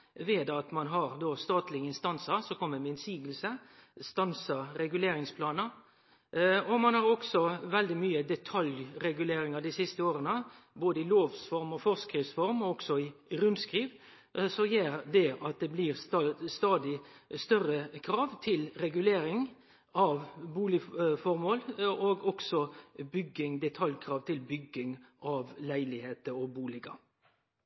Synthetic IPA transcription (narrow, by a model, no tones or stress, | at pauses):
ʋeːd̪ɑt̪mɑnɦɑɾd̪oːst̪ɑːt̪lɪəɪnst̪ɑnsəɾsɔkʰɔmːəmɛɪnsiːɡəl̩səst̪ɑnsəɾɛɡʉleːɾɪŋspʰlɑːnə | ɔmɑnhɑɾɔksɔʋɛld̪ɪmyːəd̪ɛt̪ʰɑljɾɛɡʉleːɾɪŋəd̪ɪsɪst̪əoːɾənə | boːd̪əɪloːʋsfɔɾmɔfɔʁskɾɪʋsfɔɾmɔɔksɔɪɾʉnd̪skɾiːʋ | sɔjeːɾd̪ɛɑt̪̚d̪ɛbliɾst̪ɑst̪ɑːd̪ɪst̪œrəkʰɾɑːʋt̪ʰɪlɾɛɡʉleːɾɪŋ | ɑʋbuːlɪfɔɾmoːloːɡɔɡ̥sɔbʏɡːɪŋd̪ɛt̪ʰɑljkʰɾɑːʋt̪ʰɪlbʏɡːɪŋʔɑʋlæɪlɪheːt̪əɔbuːlɪɡɑ